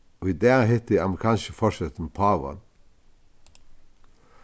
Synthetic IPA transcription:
oid̪æːʁhɛt̪iɑmʁɪkʰɑːnʃəfɔʃɛt̪n̩pʰɑʋɑ̰n

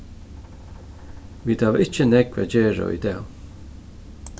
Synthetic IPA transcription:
wiːd̪awɪt͡ʃənɛɡvɛ̰d͡ʒɛːɹo̰ːḭd̪ɛw

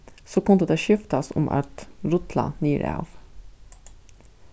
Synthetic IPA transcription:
soːkʊnd̪əd̪eːʃʏft̪ɑsʊ̰mʔɑ̰t̪ɾʊt̪ʰlɑ̰niːɾæ̰ʋ

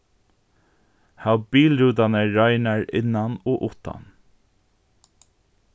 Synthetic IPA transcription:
hawbiːlɾuːt̪anəɹɑɪnaɹɪnːanoːʔʊt̪a̰n

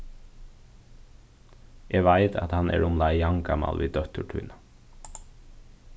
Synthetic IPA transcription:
ʔeːʋæɪt̪ʰɑt̪hɑnḛːɹʊmlɑɪjɑŋɡɑmɑ̰lʋʔiːd̪œt̪əʈʰʉ̰ːnɑ

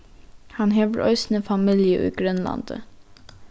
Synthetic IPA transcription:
hɑnɦeːʋəɾʔœ̰ʏsn̩əfɑmiljəʔʉ̰ːɡɾœnlɑ̰nd̪̥ə̰

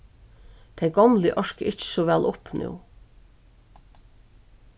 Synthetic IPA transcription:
t̪ʰɛɪɡɔmlɪʔɔʃkəʔɪt͡ʃsɔʋɛlʔʊpnʔṵː

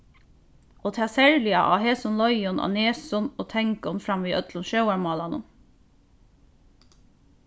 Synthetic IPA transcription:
ʔoːt̪ʰɑːsæɹlɪɑ̰ʔɑ̰ːheːsɔnlɔʏɔnʔɑ̰neːsɔnoːt̪ʰɛŋkɔnfɾɑmʋiːʔœt̪lɔnʃɑʊæɹmɑːlɑnə̰

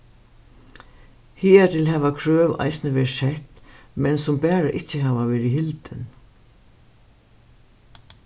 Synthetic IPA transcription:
hiːɛt̪ʰɪlɦɛːʋakʰɾøːʋa̰jsnəʋɛːɹsɛht̪mɛnsʊmpɛːɹaʔɪcːəɦɛːʋaʋeːɾɪɦɪlt̪ɪn

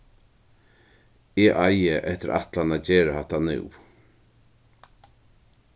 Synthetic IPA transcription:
ɛːʔajəʔɛht̪ɪɾʔa̰ht̪lanad͡ʑeːɾahaht̪anʉ̰w

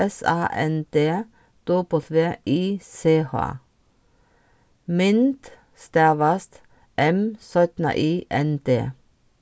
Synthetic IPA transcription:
ɛsɑ̰ːʔɛ̰nd̪eː | d̪̥uːpʰoːθʰʋeːʔiːseːhɑ̰ː | mɪnt̪ | st̪æːʋɑst̪ | ʔɛmsœt̪nə̰ʔiːʔɛnd̪ḛː

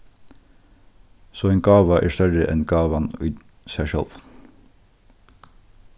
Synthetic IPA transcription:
soːeːnɡɑːʋɑʔæːst̪œɹəʔɛnɡɑːʋɑnʉː | sæʃœ̰lʋ

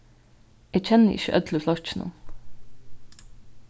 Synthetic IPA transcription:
ʔeːc͡çʰɛnəʔɪ̰çə̰ʔœd̪ləflɑt͡ʃnṵ

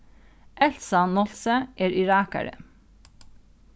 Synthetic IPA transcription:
ʔɛlsɑnɔlsəʔeːɹɪɹɑːkæ̰ɹə̰

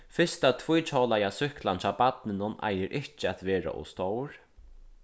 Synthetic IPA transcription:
fɪst̪at̪ʰvujt͡ʃʰɔːlajasʏhklant͡ʃʰaːpat̪nɪnʊna̰jɪɾʔɪht͡ʃɪat̪ʋɛːɾa̰ʔʊ̰st̪owɾ̥

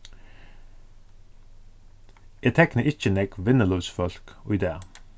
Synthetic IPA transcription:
et̪ʰɛknəʔɪçənɛkʋɪnəluʋsfɔlkɔʏd̪eː

